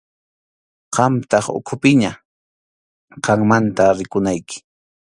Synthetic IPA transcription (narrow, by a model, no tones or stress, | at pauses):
qɑmt̪ɑχʊ̰kʰʊpɪɲa | qɑŋmant̪aɾɪkʊnajkɪ̥